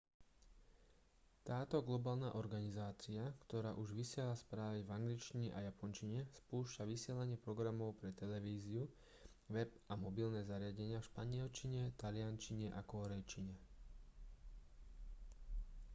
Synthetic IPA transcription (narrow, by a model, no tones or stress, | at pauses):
t̪aːt̪ɔɡlɔbaːlna̰ʔɔɾɡanizaːt͡siakt̪ɔɾaːʔuʒʋisɪɛlaspɾaːʋivaŋɡlit͡ʃt͡ʃiɲɛʔajapɔnt͡ʃiɲɛspuːʃcaʋisɪɛlaɲɪɛpɾɔɡɾamɔʊpɾɛt̪ɛlɛʋiːziu | ʋɛbʔamɔbilnɛːzaɾɪaɟɛɲɪafʃpaɲɪɛlt͡ʃiɲɛt̪alɪant͡ʃiɲɛʔakɔɾɛjt͡ʃiɲɛ